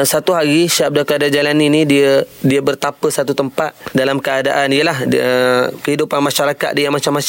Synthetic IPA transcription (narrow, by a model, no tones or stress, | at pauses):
sat̪uɦaɾiʃap̚dakəadad͡ʒalaninĩdiədiəbərt̪apəsat̪ut̪əmpat̪̚dalamkəadaʔanijəlahəkəɦidupanmaʃaɾakat̪̚diamat͡ʃamːa